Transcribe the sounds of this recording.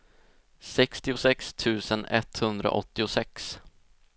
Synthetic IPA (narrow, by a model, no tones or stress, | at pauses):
sɛkst̪ɪʊsɛkst̪ʰʉ̟ːsənɛt̪hɵnd̪ɾa̰ʔɔ̰t̪ːɪʊsɛks